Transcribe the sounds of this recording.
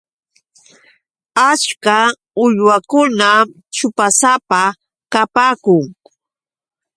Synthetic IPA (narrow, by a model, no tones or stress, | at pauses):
at͡ʃka | ʊʎwakʊna | t͡ʃʊpasapa | kapaːkʊŋ